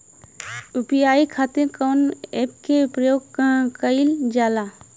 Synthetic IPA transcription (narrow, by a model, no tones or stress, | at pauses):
upjaːikʰaːt̪ɪɾkonep̚keupɾjoːɡkkəɪld͡ʒaːla